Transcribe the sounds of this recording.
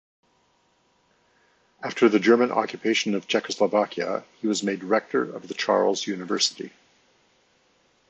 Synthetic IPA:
æftʰə˞ðɨd͡ʒɜ˞mɨ̃nʔɑ̰kjɨpʰeɪʃɨ̃nʌv̥t͡ʃʰɛkəsləvækʰiɨ̰hiwʌzmeɪdɹɛk̚tʰə̰˞ʌ̰vðɨt͡ʃʰɑ̰ɹl̩ˠzjʉnɨvɜ˞səɾḭ

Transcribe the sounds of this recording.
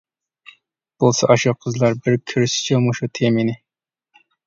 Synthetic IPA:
b̥olˠsɑʔɑʃuqʰəzlˠɑɾbɪɾkʲʰyɾʃɪ̥t͡ʃʰɛmoʃut̪ʰeminɪ

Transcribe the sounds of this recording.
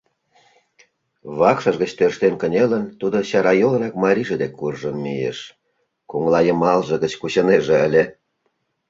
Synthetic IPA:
βɑkʃɑʒɣə̆t͡ɕt̪ørʃt̪enkə̆nʲelə̆nt̪ud̪oɕɑɾɑjolˠɾɑkmɑɾʲiʒĕd̪ekʰːurʒənmijḛʃ | kuŋlˠɑjə̆mɑlʒɤ̆ɣə̆t͡ɕkut͡ɕɤ̆neʒĕə̆lʲe

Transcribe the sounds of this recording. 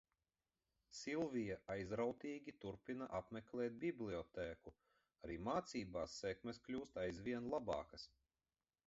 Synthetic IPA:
sʲilˠvijaʔajzɾawt̪ʲiːɡʲit̪uɾpʲinaʔapmʲɛklʲɛːt̪̚bʲiblʲˠiɔt̪ɛːku | aɾiːmaːt̪siːbaːsːɛkmɛsklʲuːst̪ajzʋʲiɛnlˠabɑ̰ːkɐs

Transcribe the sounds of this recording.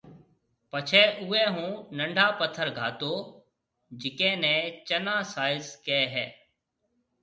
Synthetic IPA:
pət͡ʃʰɛːʔʊːɛ̃ːɦũːnə̃ɳɖʱaːpət̪ʰːəɾɡʱa̰ːt̪oː | d͡ʒɪkẽːnɛ̃ːt͡ʃənãːsaːɪzkɛːɦɛː

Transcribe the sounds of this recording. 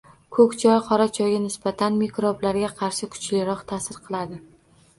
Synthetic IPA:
kʰɵkʲt͡ʃʰɒjqʰɒɾat͡ʃʰɒjɡʲanɪsb̥at̪ʰanmekɾoblaɾɡʲaqʰɑɾʃɪkʰʊ̥t͡ʃlɪɾɒqt̪ʰasɪɾqʰɨlˠad̪ɪ

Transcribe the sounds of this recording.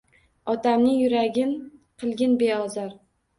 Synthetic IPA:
ɒt̪amnɪŋjʊɾaɡʲɪnqʰɨlˠɡʲɪnbeɒzaɾ

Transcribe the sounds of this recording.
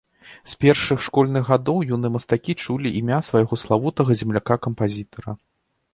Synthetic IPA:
spʲɛrʂɨxʂkɔlʲnɨɣɣːad̪ɔwjunɨmɐst̪akʲit͡ʂulʲiʔimʲasvajɣɔslˠavut̪ɐɣɐzʲɛmlʲakakɐmpazʲit̪ɐɾɐ

